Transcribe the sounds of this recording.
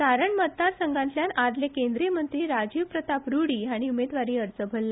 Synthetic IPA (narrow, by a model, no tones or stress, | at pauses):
saɾəɳmət̪d̪aɾsəŋɡãnt̪ljanad̪lekend̪ɾiəmənt̪ɾiːɾad͡ʑiʋpɾət̪apɾuɽiːɦaɽ̃iumed̪ʋaɾiːəɾt͡səbʱəlːa